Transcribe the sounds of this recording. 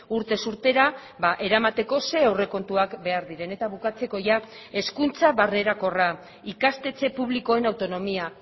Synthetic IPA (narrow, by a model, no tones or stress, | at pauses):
uɾt̪e̞suɾt̪e̞ɾa | βaʔe̞ɾamat̪e̞ko̞se̞awre̞ko̞nt̪uakbe̞aɾðiɾe̞ne̞t̪aβ̞ukat͡se̞ko̞ʝa | e̞skunt͡saβarne̞ɾako̞ra | ikast̪e̞t͡se̞puβ̞liko̞e̞nawt̪o̞no̞mia